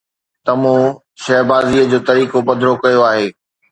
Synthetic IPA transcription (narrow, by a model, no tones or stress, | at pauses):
t̪ɐmõ | ʃɐːbaːziːəd͡ʑoːt̪ɐɾiːkobɐd̪ʱɾokɐjoaːɦeː